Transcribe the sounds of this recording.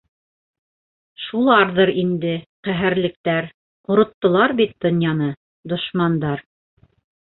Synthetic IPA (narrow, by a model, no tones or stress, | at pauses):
ʃulˠɑɾðɤɾind̪ɘqæɦɘ̆ɾlɘ̆k̚t̪æɾ | ŏɾŏt̪ːɤ̆lˠɑɾbit̪̚d̪ŏnjɑnɤ | d̪ŏʃmɑnd̪ɑɾ